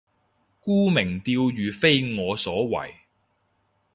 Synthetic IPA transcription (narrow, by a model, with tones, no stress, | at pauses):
kuː˥mɪ˨˩ŋt̪iː˧wjyː˨˧fe˥jŋɔː˨˧sɔː˨˥wɐ̰˨˩j